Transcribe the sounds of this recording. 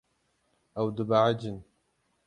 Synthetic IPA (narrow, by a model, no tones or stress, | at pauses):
ʔawd̪ʊbaʕad͡ʒɪn